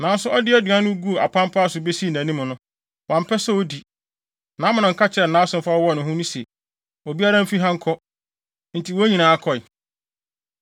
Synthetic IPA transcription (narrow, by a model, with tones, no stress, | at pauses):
nã˨n˦sʊ˦ɔ˦dɪ˦ɛ˦dɥã˦nʊ̃˦ɡu˦˨a˨pʰã˦m˦pʰa˦sʊ˨be˦si˦˨nã˨nĩ˦mʊ̃˨nʊ̃˦ | wã˨m̩˨pʰɛ˦sɛ˦o˦di˨ | nãː˨˦mʊ̃˨nʊ̃˨ŋ̩˨kʰa˦t͡ɕʰɪ˨˦ɛ˨nã˦sʊ̃˦m̩˦fa˦ɔ˦wɔ˦˨nʊ̃˨ɦʊ̃˦nʊ̃˦sɛ˨ | o˨bi˦a˦ɾã˦m̩˦fi˦ɦã˦ŋ̩˦kʰɔ˦ | n̩˨tʰi˨wɔ˦ɲĩ˨nã˨a˦˨kʰɔ˨ɪ˨